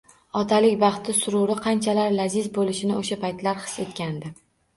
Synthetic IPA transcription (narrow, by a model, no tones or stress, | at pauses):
ɒt̪ʰalɪkʲbɑχt̪ɪsʊɾʊɾɪqʰɑnt͡ʃʰalaɾlazɪzbolɪʃɪnɪoʃapajt̪laɾχɨ̥se̞t̪kʲand̪ɪ